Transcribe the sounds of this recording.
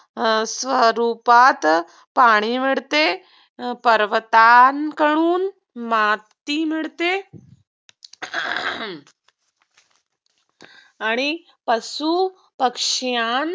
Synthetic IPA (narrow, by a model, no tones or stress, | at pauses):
sʋəɾuːpaːt̪ | paːɽ̃imiɽt̪e | pɐɾʋət̪aːnkəɽ̃uːn | maːt̪ːimiɭt̪e | aːɽ̃i | pɐsu | pəkʂjaːn